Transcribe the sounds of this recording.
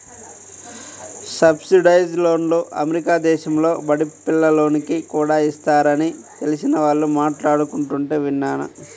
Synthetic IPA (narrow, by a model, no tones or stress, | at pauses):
sɐbsiɖɐjd͡ʒlo̞ːnloːʔɐ̰meɾikaːd̪ɛːʃɐmlo̞ːbɐɽipilːɐlo̞ːnikikuːɽaːist̪aːɾɐnit̪e̞lisinɐʋaːɭːumaːʈlaːɽukuɳʈuɳʈeːʋinːaːnɐ̰